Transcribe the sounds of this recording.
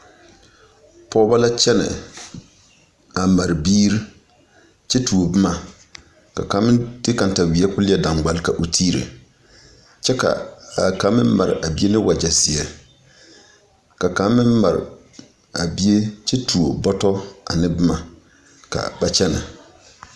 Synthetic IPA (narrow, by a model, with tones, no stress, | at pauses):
pʰɔː˦ba˦la˦t͡ʃɛ˦nɛ̰˨ | a˨ma˨ɾɪ˨biː˦ɾi˦ | t͡ʃɛ˦tu˨o˨bɨ˦ma˨ | ka˨ka˨˦mɪ˦dɪ˦ka˨n˨ta˨wi˨ɛ˦kʊ˦lɪ˦ɛ˦dã˨ŋɡ͡ba˨lka˨ʔʊ˨tʰiː˦ɾḛ˨ | t͡ʃɛ˦ka̰˨ka˨˦mɪ̰˦m˦ma˨ɾɪ˨ʔa˨bi˦e˦nɪ˦wa˨d͡ʒa˨sɪ˨ɛ˨ | ka˨ka˨˦mɪ˦mma˨ɾɪ̰˨ | a˨bi˦e˦t͡ʃɛ˦tu˨o˨bɔ˦tɔ˦a̰˨nɪ˦bɨ˦ma˨ | ka̰˨ba˦t͡ʃɛ˦nɛ̰˨